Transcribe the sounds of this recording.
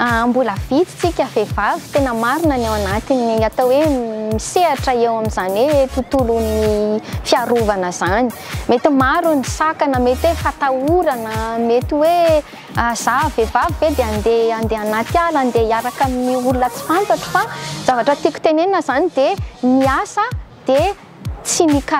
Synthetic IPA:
ambuləvit͡si̥t͡sikʲəvevavi̥t̪enəmaɾinanewanat̪iniat̪owemiseaʈ͡ʂəewaminzanwet̪ut̪ulunifiaɾuvanəz̥ani̥met̪imaɾunisakanəmet̪iwefat̪auɾanəmet̪iwe | az̥avevavived̪eand̪eand̪eanat̪ialand̪eaɾakaminiulunət͡si̥fant̪aʈ͡ʂə̥faz̥avaʈ͡ʂət̪ikʲu̥t̪enenəzanid̪emiasəd̪̥e | t͡sinika

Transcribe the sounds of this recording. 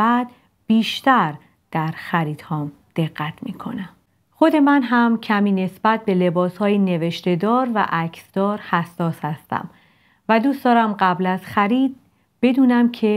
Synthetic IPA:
æd̪̥ | b̥iːʃt̪æɾ | d̪̥æɾxæɾiːd̪̥hɒːm | d̪̥e̞ɢːæt̪ʰmiːkʰo̞̰næm | xo̞d̪e̞mænɦæmcʰæmiːne̞sb̥æt̪̚be̞le̞bɒːshɒːjine̞ve̞ʃt̪e̞d̪ɒːɾvæ̰ʔæcʰsd̪̥ɒːɾhæsːɒːshæst̪æ̰m | væd̪uːsd̪ɒːɾæmɢæblæz̥xæɾiːd̪̚ | b̥e̞d̪uːnæmcʰe̞

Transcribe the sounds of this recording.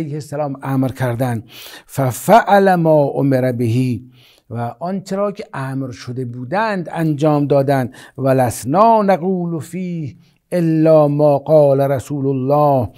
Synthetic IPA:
ejhesːælɒːmʔæːmɾkʰæɾd̪ænfæfæʔalæmɒːʔo̰meɾæbeɦiː | væʔɒnt͡ʃʰeɾɒːkʲʰeʔæːmɾʃod̪e̞buːd̪ænd̪ænd͡ʒɒːmd̪ɒːd̪ænd̪vælæsnɒːnaɣuːlofiːh | ʔelːɒːmɒːɡɒːlæɾæsuːlolːɒːh

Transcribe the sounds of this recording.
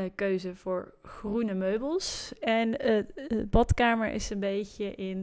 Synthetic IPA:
køɥzəv̥ʊːɹχrunəmøɥbəlˠsɛnəəbɑtkaːməɹʔɪ̰sənbejcəʔɪn

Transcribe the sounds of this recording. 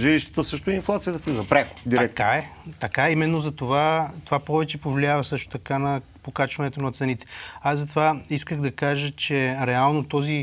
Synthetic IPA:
ʒiliʃt̪ə̥t̪əsɤʃt̪oɛinflˠat̪sijət̪əflizɐpɾɛko̥d̪iɾɛkaɛt̪ɐkaɛimɛnːozɐt̪ovat̪ovapɔvɛt͡ʃɛpovlʲiavɐsɤʃt̪o̥t̪ɐkanɐ | pokat͡ʃvɐnɛt̪onɐt̪sɛnit̪ɛ̥azɐt̪ovaiskəɣd̪ɐkaʒət͡ʃɛɾɛalˠnot̪ɔzi

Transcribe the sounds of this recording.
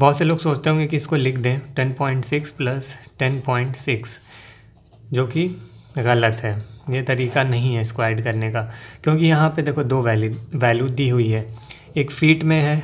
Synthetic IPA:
bɔɦːt̪seloːɡsoːt͡ʃt̪eɦõːŋɡekiɪskolɪkʰd̪ẽːʈɛnpɔːɪ̃ɳʈsɪksplɐsʈɛnpɔːɪ̃ɳʈsɪks | d͡ʒoːkiɣɐlət̪ɦɛːjet̪ɐɾiːkanɐɦĩɦɛɪskwaːɪɖkɐɾnekakjõːkijɐɦãped̪eːkʰod̪oːʋɛːlʋɛːljud̪iːɦʊiɦɛː | eːkfiːʈmẽɦɛː

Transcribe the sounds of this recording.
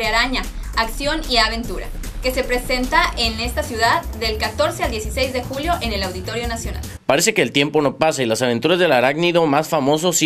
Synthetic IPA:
aɾaɲaaksjo̞niaβ̞e̞nt̪uɾa̰ | ke̞se̞pɾe̞se̞nt̪aʔe̞ne̞st̪asjuðaðːe̞lkat̪o̞ɾseald̪je̞sisejzðe̞xuljo̞ʔe̞ne̞lawðit̪o̞ɾjo̞nasjo̞na̰l | paɾe̞se̞ke̞ːlt̪je̞mpo̞no̞pasailasaβ̞e̞nt̪uɾazðe̞laɾaɡniðo̞masfamo̞s̬os

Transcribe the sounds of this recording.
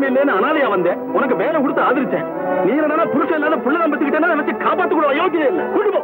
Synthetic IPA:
mɐɪlːeːnɯɐnaːðɐjaːʋɐnd̪eː | ɔnɐk̬ːɯʋeːlɐkʊɽɯt̪ːɐaːðɪɾɯt̪ːḛ̃ː | nĩːnɐnːaːnaːpʊɾʊʂːɐ̃ɛlːaːðɐpʊɭːɐðɐmbɐɾt̪ːɯkːɪʈːeːnːaːnẽːʋɐt͡ʃːɪʈkaːpaːʈːɯkːʊɽɐ̃ɐjoːkːɪleːɪlːɐ̰kʊɖɯpːɐ

